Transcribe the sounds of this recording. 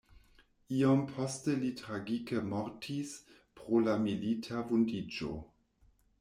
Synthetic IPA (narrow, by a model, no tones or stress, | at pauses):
iompʰostelitɾaɡikemoɾtʰis | pɾolamilitʰavundid͡ʒo̰